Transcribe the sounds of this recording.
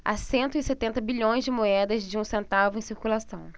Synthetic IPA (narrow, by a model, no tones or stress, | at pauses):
a̰sẽnt̪ʊɪset̪ẽnt̪ɐbiʎõj̃zd͡ʒɪmoɛd̪ɐzd͡ʒɪũsẽnt̪avʊẽsiɾkulasɐ̃w̃